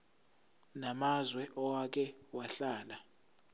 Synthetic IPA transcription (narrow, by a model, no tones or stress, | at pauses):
namazwɛʔɔwak̬ʰʼɛwaɬaːla